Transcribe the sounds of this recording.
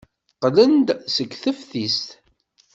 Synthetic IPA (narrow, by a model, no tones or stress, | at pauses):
qlənd̪səɡθəfθist̪